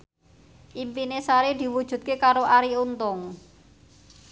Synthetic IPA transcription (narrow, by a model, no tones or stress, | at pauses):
ʔimpinesaɾid̪̥i̤wud̥ʒ̥ṳt̪̚kekaɾoʔaɾiunt̪ʊŋ